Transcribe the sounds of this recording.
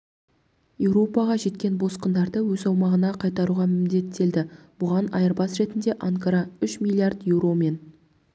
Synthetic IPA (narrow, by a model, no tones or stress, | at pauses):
jewɾo̞pɑʁɑʒe̞t̪kʲe̞nbo̞sqənd̪ɑɾd̪əwɵzɑwmɑʁənɑqʰɑjt̪ɑɾuʁɑmɪmd̪e̞t̪ʰːe̞ld̪ɪb̥ʊʁɑnɑ̰jəɾbɑsɾe̞t̪ɪnd̪e̞ʔaŋkaɾɑʏʃmʲilʲːˠijard̪je̞wro̞me̞n